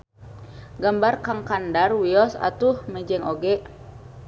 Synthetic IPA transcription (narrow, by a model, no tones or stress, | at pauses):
ɡambarkaŋkandarwiɔsa̰t̪uhmɛd͡ʒɛŋoɡɛʔ